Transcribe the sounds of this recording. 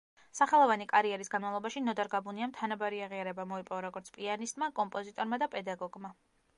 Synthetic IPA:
saχɛlˠɔvanikʼaɾiɛɾisɡanmavlˠɔbaʃinɔd̪aɾɡabuniamt̪ʰanabaɾiaʁiaɾɛbamɔipʼɔvaɾɔɡɔɾt̪sʰpʼianist̪ʼmakʼɔmpʼɔzit̪ʼɔɾmad̪apʼɛd̪aɡɔɡma

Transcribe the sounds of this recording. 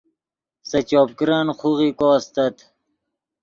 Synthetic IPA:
sɐt͡ɕoːp̚kɾanχuʁikoːst̪ɐt̪

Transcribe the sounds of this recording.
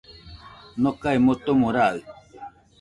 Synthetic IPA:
nɔkaimotomoɾa

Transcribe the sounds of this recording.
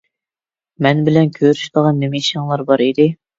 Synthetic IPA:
mɛnbɪlɛnkʲʰøɾyʃd̪əʁɑnːemɛiʃɑŋlˠɑɾbɑɾid̪ɪ

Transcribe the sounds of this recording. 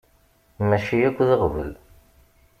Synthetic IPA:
mæʃijækʷːðəʁvə̰l

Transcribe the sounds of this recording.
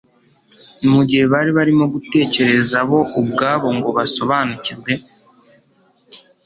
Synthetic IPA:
nimuɟihe̞βaɾiβaɾimo̞ɡute̞ːce̞ɾe̞zaβo̞ʔubɡaːβo̞ŋɡo̞βaso̞βaːnuciɾɡwe̞

